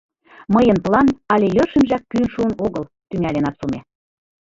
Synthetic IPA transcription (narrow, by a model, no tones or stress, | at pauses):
məjənplɑnɑlʲejørʃə̆mʒɑkːynʃuənoɣəl | t̪yŋælʲenɑsume